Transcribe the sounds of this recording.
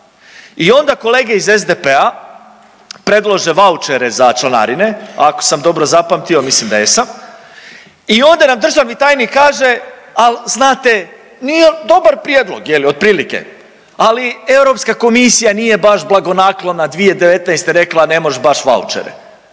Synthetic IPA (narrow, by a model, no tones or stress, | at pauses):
io̞nd̪ako̞le̞ːɡeize̞zd̪epe̞a | pɾe̞d̪lˠoʒe̞ʋaut͡ʃeɾe̞zat͡ʃlˠana̰ɾine̞ako̥samd̪o̞bɾo̞zapamt̪io̞mislimd̪a̰jesam | io̞nd̪anamd̪ɾr̩ʒamit̪aːjnikaːʒe̞alznaːt̪e̞ | nied̪o̞baɾpɾijed̪lˠo̞̰ɡjelio̞d̪̚pɾiːlike̞̰ | alie̞wɾo̞pskako̞misijanije̞baʃblˠaɡo̞naklˠonad̪ʋie̞d̪e̞ʋe̞t̪najst̪eɾe̞klˠane̞moʒbaʃʋa̰ṵt͡ʃḛɾḛ